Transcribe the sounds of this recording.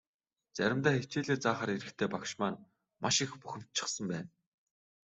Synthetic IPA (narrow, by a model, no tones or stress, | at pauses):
t͡sæɾʲɪ̆mt̪æːxet͡ɕeːɮeːt͡saːχaːɾiɾɘ̆xt̪ʰeːpakʃmaːn | maʃĭxpuxʲɪ̆m̥t̪̚t͡ɕʰɪ̥̆χsə̆mpæːn